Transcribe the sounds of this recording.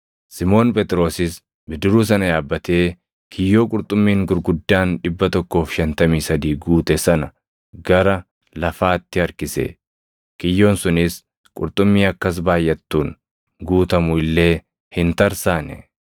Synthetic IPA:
sɪmo̞ːnpʼɛt̪ʼɪɾo̞ːsɪs | bɪd̪ɪɾuːs̬ɐnɐjaːbːɐt̪e̞ː | kʰɪjːo̞ːkʼʊɾt̪ʼʊmːiːŋɡʊɾɡʊd̪ːaːnᶑɪbːɐt̪ɔkːo̞ːfʃɐnt̪ɐmiːsɐd̪iːɡuːt̪ɛsɐnɐ | ɡɐɾɐ | lɐfaːt̪ːɪɐɾkɪsḛː | kɪjːo̞ːnsʊnɪs | kʼʊɾt̪ʼʊmːiːɐkːɐs̬baːjːɐt̪ːuːn | ɡuːt̪ɐmʊɪlːe̞ː | hɪnt̪ɐɾsaːnɛ̰

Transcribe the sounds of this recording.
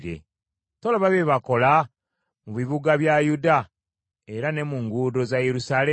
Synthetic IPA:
ɾe̞̰ | to̞laβaβeβako̞la | muβiβuɡaβjajuda | e̞ɾane̞muŋɡudo̞zajeɾusale

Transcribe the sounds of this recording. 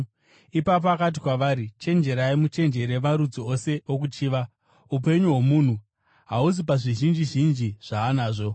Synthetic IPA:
ipap̬oakat̬ikwaʋaːɾit͡ʃe̞nd͡ʒe̞ɾaimut͡ʃe̞nd͡ʒe̞ɾe̞maɾud͡ziose̞okut͡ʃiːʋa | upe̞ɲuɦomuːn̤u | ɦaus̬ipaʐiʒind͡ʒiʒind͡ʒiʐ̥aːnaːʐo̞

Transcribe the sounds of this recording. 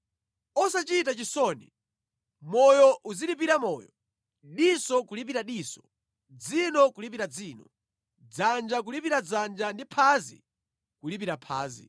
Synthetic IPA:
ɔsat͡ʃitat͡ʃisɔnḭ | mɔjɔʔuzilip̬iɾamɔːjɔ̰ | ɗisɔkulip̬iɾaɗiːsɔ̥ | d͡zinɔkulipiɾad͡ziːnɔ | d͡zand͡ʒak̬ulipiɾad͡zand͡ʒandipʰazḭ | kulip̬iɾapʰa̰ːzḭ

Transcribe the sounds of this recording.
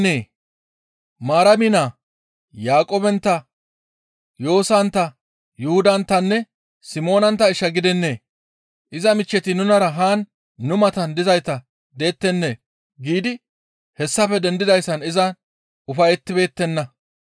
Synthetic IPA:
neː | maːɾɐmɪnaː | jaːkʼoːbɛnt̪ːɐ | jo̞ːsɐnt̪ːɐ | jʊhʊd̪ɐnt̪ːɐnːɛ | sɪmo̞ːnɐnt̪ːɐɪʃːɐɡɪd̪ɛnːe̞ː | ʔɪzɐmɪt͡ʃːɛt̪ɪnʊnɐɾɐɦaːnː | ʊmɐt̪ɐnd̪ɪzɐjt̪ɐ | d̪e̞ːt̪ːɛnːe̞ː | ɡiːd̪ɪ | hɛsːɐfɛd̪ɛnd̪ɪd̪ɐjsːɐnɪzɐ | ʔʊfɐjɛt̪ːɪbe̞ːt̪ːɛnːɐ

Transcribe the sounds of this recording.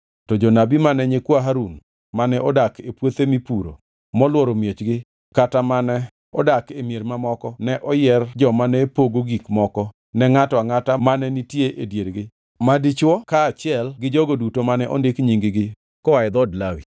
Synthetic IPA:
tɔd͡ʒɔnabimanɛɲekwaɦaɾun | manɛɔdakepwot̪emipuɾo̰ | mɔlwɔɾomjet͡ʃɡɪ | katamanɛ | ɔ̰dakemjeɾmamɔkɔnɛʔɔjɛrd͡ʒɔmanɛpoɡoɡikmɔkɔ | nɛŋatɔaŋatamanɛnitjeʔedjeɾɡɪ | madit͡ʃwɔkaːt͡ʃɪɛlɡɪd͡ʒɔɡodutomanɛʔɔ̰ndekɲiŋɡɪɡɪ | kɔwajd̪ɔdlawi

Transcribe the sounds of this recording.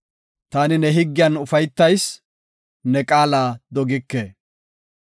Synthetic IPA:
t̪aːnɪnɛɦɪɡːɪjɐnʊfɐjt̪ːɐjs | nɛkʼaːlaːd̪ɔɡɪkːeː

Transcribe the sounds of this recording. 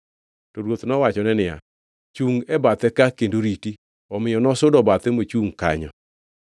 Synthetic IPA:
tɔɾwot̪nɔwat͡ʃɔnɛnɪja̰ | t͡ʃuŋɛbat̪ɛkakendoɾiti | ɔmɪjɔnɔsʊdɔbat̪ɛmot͡ʃuŋka̰ɲɔ̰

